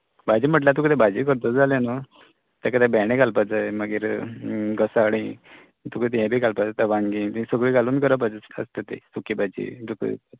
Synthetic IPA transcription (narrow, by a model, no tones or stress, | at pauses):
bad͡ʑiːm̤əʈ̬lat̪̬ukət̪ɛbad͡ʑiːk̬əɾt̪ət͡sd͡zaleno | t̪akəd̪ɛbɛɽẽɡalpad͡zaeməɡiɾɡəsaɽi | t̪ukət̪jɛ̃bʱiːɡalpad͡zat̪aʋaŋɡĩt̪səɡɭiɡaluːnkəɾəp̬ad͡zə̰st̪ət̪ḛsukibad͡ʑḭd̪uk